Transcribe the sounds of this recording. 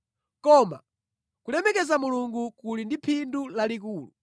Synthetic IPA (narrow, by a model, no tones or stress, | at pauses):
kɔːma̰ | kulɛmɛkɛzamuluŋɡukulindipʰindulalik̬uːlṵ